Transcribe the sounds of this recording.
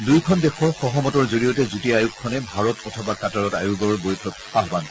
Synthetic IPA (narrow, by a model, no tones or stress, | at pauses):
dujkʰɔndɛxɔɹxɔɦɔmɔtɔɹzoɹijɔtɛzutiajukʰːɔnɛbʱaɹɔtɔtʰɔbakataɹɔtajuɡɔɹbojtʰɔk̚ | aɦban